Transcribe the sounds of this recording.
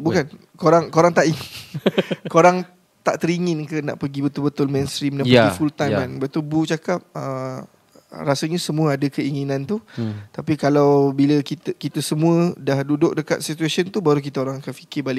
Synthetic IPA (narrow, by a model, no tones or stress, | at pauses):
bukan | koɾaŋkoɾaŋt̪aʔiŋn | koɾaŋ | t̪aʔt̪əɾiŋɪnkəna̰ʔpəɡibət̪ʊlbət̪ʊlmɛ̃nst̪ɾimnaəɡifult̪ajmmanbət̪ubut͡ʃakap̚ə | rasəɲasəmũəadəkəiŋinãnt̪ut̪apikalawbiləkit̪əkit̪əsəmũədahdudʊk̚dəka̰t̪̚sit̪uasont̪ubaɾuk̬it̪aoɾaŋakanfi̥kɪbalɪʔ